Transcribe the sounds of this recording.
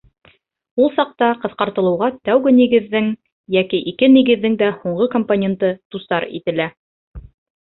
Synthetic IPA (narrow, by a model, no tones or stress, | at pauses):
ulˠsɑq̚t̪ɑqɤ̆θqɑɾt̪ɤ̆lˠɤ̆wʁɑt̪æwɡɘniɡɘ̆ðːɘŋ | jækiʔikɘniɡɘ̆ðːɘŋd̪æhuɴɢɤkomponʲent̪ɤt̪ust̪ɑɾḭt̪ɘ̆læ